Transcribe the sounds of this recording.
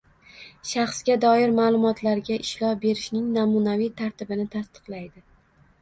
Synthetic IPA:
ʃaχsɡʲad̪ɒjɪɾmaːlˠʊmɒt̪ʰlaɾɡʲaʔɪʃlɒbe̞ɾɪʃnɪŋnamʊnavijt̪ʰaɾt̪ɪbɪnɪt̪ʰast̪ɨ̥qlˠajd̪ɪ

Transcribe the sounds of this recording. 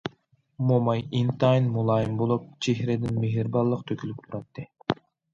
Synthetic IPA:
momɑjint̪ɑjnmulˠɑːjɯmbolˠup̚t͡ʃʰeɦɾed̪ɪnmeɦiɾbɑlˠːɯqt̪ʰøkʲylʲyp̚t̪ʰuɾɑt̪ːɨ

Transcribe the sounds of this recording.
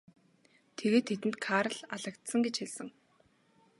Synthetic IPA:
t̪ʰeɣeːt̪ʰːet̪ɘ̆nt̪kʰaːɾə̆ɮaɮə̆kt̪sə̆ŋɡet͡ɕxiɮsə̆ŋ

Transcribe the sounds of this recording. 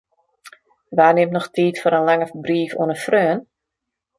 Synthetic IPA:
ʋaːrnɪmnɔxtʰiːtfoɾənlaŋəbriːfo̰ənəfrøːən

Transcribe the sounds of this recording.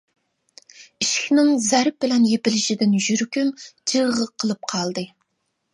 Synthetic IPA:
iʃkʲnɪŋzæɾp̚bɪlɛnjepɪlɪʃid̪ɪnʒyɾkʲymd͡ʒɨʁəqʰəlˠɨp̚qʰɑlˠd̪ɨ

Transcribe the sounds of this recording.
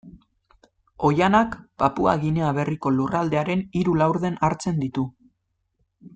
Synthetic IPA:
o̞janakpapua̰ɣineaβe̞riko̞lurald̪e̞aɾe̞niɾulawɾðe̞naɾt͡se̞nd̪it̪u

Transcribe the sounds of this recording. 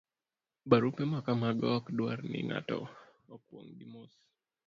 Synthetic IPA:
baɾupɛmakamaɡɔkdwaɾnɪ̰ŋa̰tɔ̰ | ɔkwɔ̰ŋdimos

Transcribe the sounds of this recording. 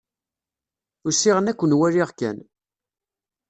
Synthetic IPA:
ʊsiʁənækʷːənwæɾiʁkæ̰n

